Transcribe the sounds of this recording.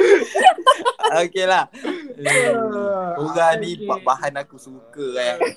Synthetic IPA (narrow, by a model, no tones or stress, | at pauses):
okelahə | suɣanipaʔbaɦanakusukə